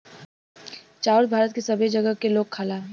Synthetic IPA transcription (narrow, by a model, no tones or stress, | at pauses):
t͡ʃaːʊɾbʱaːɾət̪̚kesɐbʱed͡ʒɐɡəkeloːɡ̚kʰaːlaː